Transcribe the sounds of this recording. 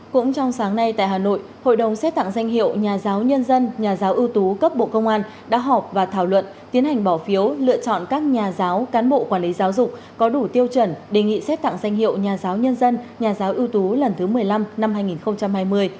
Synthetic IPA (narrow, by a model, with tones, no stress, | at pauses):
kʊ̰˧˥ŋ͡mt͡ɕɔ˧wŋ͡msaː˨˦ŋna˧jt̪a̰ː˧˨jɦaː˨˩no̰˧˨j | ho̰˧˨jɗə˨˩wŋ͡msɛ˦˥t̚t̪a̰˧˨ŋza˧jŋ̟ɦḭ˧˨əwɲaː˨˩zaː˨˦wɲə˧nzə˧nɲaː˨˩zaː˨˦wʔɨ˧əwt̪u˨˦kə˦˥p̚ɓo̰˧˨kə˧wŋ͡mʔaː˧n | ɗa̰ː˧˥ɦɔ˨˩p̚vaː˨˩t̪ʰaː˧˩wlwə̰˧˨nt̪i˨˦ənhɦa˨˩ŋ̟ɓɔ˧˩fi˨˦əwlɨ̰˧˨ət͡ɕɔ̰˧˨nkaː˦˥k̚ɲaː˨˩zaː˨˦wkaː˨˦nɓo̰˧˨kwaː˧˩nli˨˦zaː˨˦wzʊ˨˩k͡p̚ | kɔ˨˦ɗu˧˩t̪i˧əwt͡ɕwə˧˩nɗe˨˩ŋḭ˧˨sɛ˦˥t̚t̪a̰˧˨ŋza˧jŋ̟ɦḭ˧˨ə˨wɲaː˨˩zaː˨˦wɲə˧nzə˧nɲaː˨˩zaː˨˦wʔɨ˧wt̪u˨˦lə˨˩nt̪ʰɨ˨˦mɨ˨˩əjla˧mna˧mhaː˧jŋi˨˩nxə˧wŋ͡mt͡ɕa˧mhaː˧jmɨ˧əj